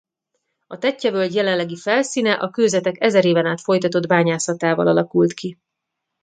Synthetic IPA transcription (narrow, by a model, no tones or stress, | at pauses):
ɒt̪ɛcːɛvøːld̪jɛlɛnlːɛɡifɛlsiːnɛʔɒkøːzɛt̪ɛkɛzɛɾeːvɛnaːt̪fo̞jt̪ɒt̪o̞d̪baːɲaːsɒt̪aːvɒ̰lɒlɒkult̪ki